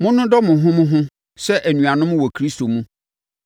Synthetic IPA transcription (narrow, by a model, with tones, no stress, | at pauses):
mʊ̃˦nʊ̃˦dɔ˦mʊ̃˨ɦʊ̃˦mʊ̃˦ɦʊ̃˦ | sɛ˦ʔæ˨nũ˨a˨nʊ̃˦m̃˦wɔ˨kʰɾi˦sto˨mũ˦